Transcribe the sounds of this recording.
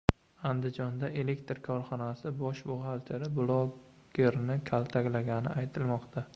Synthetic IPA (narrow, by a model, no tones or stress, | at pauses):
and̪ɪd͡ʒɒnd̪aʔe̞le̞kt̪ɾkʰɒɾχɒnasɪbɒʃbʊʁalt̪ʰeɾɪblˠoɡɡʲe̞ɾnɪkʲʰalˠt̪ʰakʲlaɡʲanɪ̰ʔajt̪ʰɪlmɒqt̪ʰa